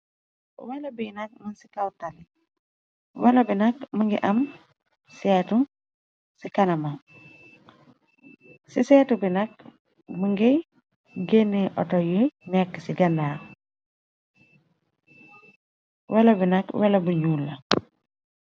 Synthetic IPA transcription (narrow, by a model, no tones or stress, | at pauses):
wɛlɐbinɐk̚mansi̥kawtali | wɛlɐbinɐk̚muŋɡḭʔɐm | sɛtu | sikanɐma | sisɛːtubinɐk̚ | muŋɡi | ɡenːeʔɔ̰tɔjumɛkːsiɡɐndaː | wɛlɐbinɐkwɛlɐbuɲuːlːa